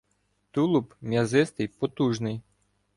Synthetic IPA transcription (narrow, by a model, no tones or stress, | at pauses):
t̪ulˠʊpmʲjɐzɪst̪ɪjpɔt̪uʒnɪj